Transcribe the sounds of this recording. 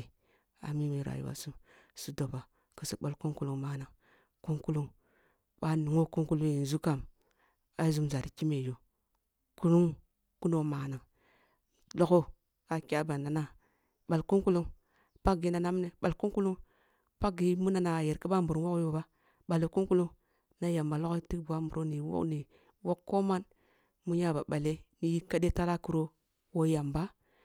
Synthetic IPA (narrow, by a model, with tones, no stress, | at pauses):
a̰˨mi˦mi˨ɾa̰˨jṵ˨wa̰˨su˦m | su˦do˨ba˨ | kə˨si˨bo˦lku˦ŋku˦lu˦ŋma˦na˨ŋ | ku˦ŋku˦lu˦ŋ | ɓa˦nu˨ŋo˦ku˦ŋku˦lu˦i˨n˨zu˦ka˦˨m | a˦zu˦mza˨ɾi˨ki˦me˨jo˨ | ku˦lu˦ŋ | ku˦no˦ma˨na˨ŋ | lo˦ko˦ | a˨kʲi˦a˦ba˨na˨na˦ | ɓa˨lku˦ku˦lu˦ŋ | pa˦ɡi˨˦na˨na˦m˦ne˨ɓa˨lku˦ŋku˦lu˦ŋ | pa˦ɡi˨mu˦na˨na˨je˨ɾki˦ba˦mbu˨ɾu˦wo˦kjo˦ba˦ | ɓa˨le˨ku˦ŋku˦lu˦ŋ | na˦ja˨mba˨lo˦ko˦ti˦kbu˨a˦mbu˨ɾo˦ni˨˦wo̰˦kni˨ | wo˦kːo˦ma˦n | mu˦ɲa˦ba˨ɓa˨le˦ni˨ji˦ka˦de˦ta˦la˦ku˨ɾo˦ | wo˦ja˨mba˦